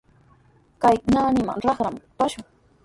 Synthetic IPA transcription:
kajnaːnɪma̰nɾɑχɾampaʃʊŋ

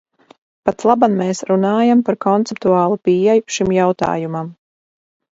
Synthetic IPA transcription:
pat̪slˠabanmeːsɾunaːjampaɾkɔnt̪sɛpt̪uɑːlˠupiːɛjuʃimjawt̪a̰ːjumam

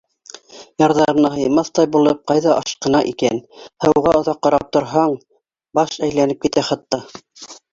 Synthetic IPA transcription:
jɑɾðɑɾɤmnɑɦɤ̆jmɑθt̪ɑjbulˠɤp̚qɑjðɑʔɑʃqɤ̆nɑʔikænhɤ̆ʁɑŏðɑqːɑɾɑp̚t̪ŏɾɦɑɴ | bɑʃæjlænɘp̚kit̪æχɑt̪ːɑ

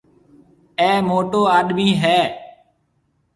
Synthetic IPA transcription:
ɛ̃ːmoːʈoːaːɗmiːɦɛː

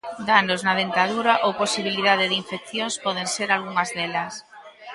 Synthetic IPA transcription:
d̪anoznɐð̞ent̪aðuɾaʔowposiβiliðað̞eðiɱfek̚θjoŋspɔðeŋseɾalɣuŋɐzðɛlɐs

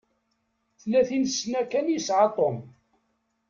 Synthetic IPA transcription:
θlæθinsnækænjisʕɑt̪ˤom

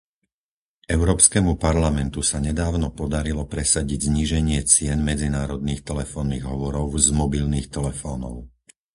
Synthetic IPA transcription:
ɛʊɾɔːpskɛːmupaɾlamɛnt̪usaɲɛd̪aːʊnɔpɔd̪aɾilɔpɾɛsaɟiɟzɲiːʒɛɲɪɛt͡sɪɛnmɛd͡zinaːɾɔd̪̚niːxt̪ɛlɛfɔːnːiɣɦɔʋɔɾɔʊzmɔbilniːxt̪ɛlɛfɔːnɔ̰ʊ

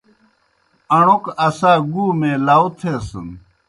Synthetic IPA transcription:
ɐɳ̃okɐsãːɡuːmẽːlaːwt̪ʰeːsə̰n

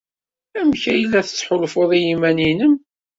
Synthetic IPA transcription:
æmçæjəlːæθət͡sːħolfoðˤijimæninəm

